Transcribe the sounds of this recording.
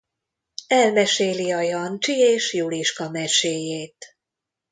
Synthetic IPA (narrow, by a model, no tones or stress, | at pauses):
ɛlmɛʃeːliɒjɒnt͡ʃieːʃjuliʃkɒmɛʃeːjeːt̪